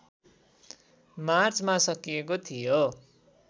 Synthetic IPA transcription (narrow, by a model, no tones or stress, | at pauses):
mart͡smasʌkijekot̪ʰijo